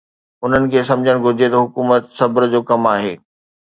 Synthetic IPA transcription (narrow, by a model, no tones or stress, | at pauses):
ʊn̤ənɪ̆kʰeːsɐ̃md͡ʑʱəɽ̃ɡʱʊɾd͡ʑʱet̪ɐɦʊkuːmət̪sɐbɾd͡ʑoːkɐmaːɦḛː